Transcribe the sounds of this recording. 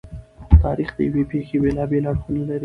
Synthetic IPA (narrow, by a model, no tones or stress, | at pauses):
t̪ɑɾixd̪ə̰jawepexebelɑbelaɽxunalaɾi